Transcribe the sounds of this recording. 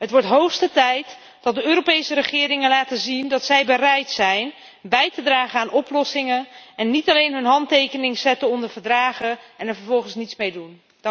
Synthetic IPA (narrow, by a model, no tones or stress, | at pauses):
ɦətʋɔɹtɦowxstətɛjt | d̥ɑt̚dəøːrɾopejsərəχɪːɾɪŋənlaːtəzindɑtsɛjbərɛjtsɛjn | bɛjtədraːχənaːnʔɔplɔsɪŋənɛnːitɑlejnɦɵnɦɑntejkənɪŋsɛtəɔndəɹvəɹdraːχəɛnɛɹvəɹvɔlˠχənsnitsmejdun